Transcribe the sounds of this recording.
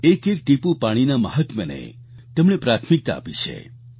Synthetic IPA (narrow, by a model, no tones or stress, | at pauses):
ekek̚ʈipũpaɽ̃inaməɦət̪mənḛ | t̪emɽepɾat̪ʰmik̚t̪a̰ːpit͡ʃʰḛ